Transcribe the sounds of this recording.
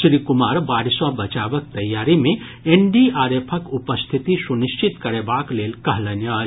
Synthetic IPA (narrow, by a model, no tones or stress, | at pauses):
sɾikumaɾbaɾiswabət͡ʃabək̚t̪ɐjːaɾime | eɳɖiaɾepʰəkupəst̪ʰit̪isunist͡ʃʰit̪kəɾebaklelkəɦlənjə